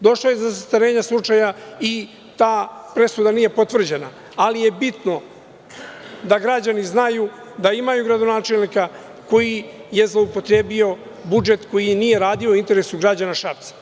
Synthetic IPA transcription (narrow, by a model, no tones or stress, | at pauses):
d̪o̞ʃlojezasast̪aɾe̞ːɲaslˠut͡ʂajai | t̪aːpɾe̞sud̪aniːje̞po̞t̪vr̩d͡ʑe̞na | alije̞bit̪no̞ | d̪aɡɾad͡ʑaniznaju | d̪aimajuɡɾad̪o̞naːt͡ʃe̞lnika | ko̞jije̞zlˠo̞upo̞t̪ɾe̞ːbio̞ | bud͡ʒe̞t̪ko̞jinije̞ɾaːd̪iouint̪eɾe̞suɡɾad͡ʑanaʃapt̪sḁ